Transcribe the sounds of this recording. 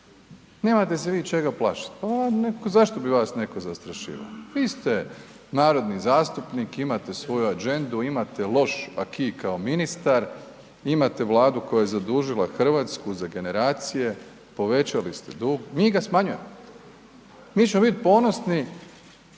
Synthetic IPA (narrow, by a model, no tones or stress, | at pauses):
ne̞ːmat̪e̞s̬eʋiːt͡ʃe̞ɡaplˠa̰ːʃḁt̪̚anekozaʃt̪o̞biʋaːsne̞kozast̪ɾaʃḭːʋa̰oʋiːst̪e | naːɾo̞d̪nizaːst̪upnikimat̪e̞sʋo̞juad͡ʒe̞nd̪uimat̪elˠo̞ʃa̰kʰiːkaominist̪aɾ | imat̪e̞ʋlˠaːd̪ukojajezad̪uːʒilˠaxr̩ʋaːt̪skuzaɡe̞ne̞ɾaːt̪sije̞ | po̞ʋe̞t͡ʃalist̪ḛd̪uːɡmiːɡasmaɲuje̞̰mo | miːt͡ʃemobit̪̚po̞ːno̞sni